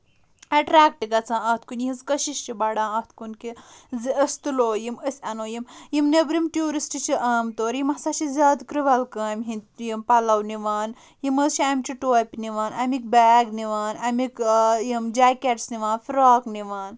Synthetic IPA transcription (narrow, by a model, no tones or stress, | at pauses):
ɐʈɾaːk̚ʈiɡɐt͡sʰãːɐt̪ʰkunjiizkɐʃiʃt͡ʃibaɽãːɐt̪kunkizəsʲt̪uloːjiməsʲɐnoːjimjimnebɾimʈʲjuːɾisʈit͡ʃʰiʔɐːmt̪oːɾjimɐsat͡ʃizʲaːd̪kɾiʋɐlkɐːmɦint̪jimpɐlɐwniʋaːn | jiməzt͡ʃʰiɐmt͡ʃiʈoːpʲniʋaːnɐmik̚baːɡniʋaːnɐmikjimd͡ʒaːkʲeʈsniʋaːnfɾaːkniʋaːn